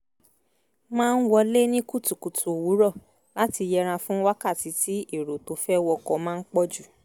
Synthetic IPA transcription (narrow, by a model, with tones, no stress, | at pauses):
mãː˦˧n̩˦wɔ˧le˦nĩ˦ku˦˨tu˨ku˨tʰu˨wu˨˦ɾɔ˦˨ | la˦ti˧jɛ˧ɾ̃ã˧fũ˦wa˦ka˦˨ti˨˦ti˦e˦˨ɾo˨to˨˦fɛ˦wɔ˧kɔ˧mãː˦˧n̩˦k͡pɔ˦d͡ʒu˦˨